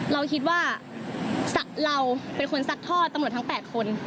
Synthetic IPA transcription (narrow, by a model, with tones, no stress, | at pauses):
ɾa˧wkʰi˦t̪̬̚waː˥˩ | sa˨˩k̚ɾa˧wpe˧nkʰo˧nsa˦˥k̚t̪ʰɔː˥˩t̪̚ːmɾt̪ʰa˦˥ŋpɛː˨˩t̪̚kʰo˧n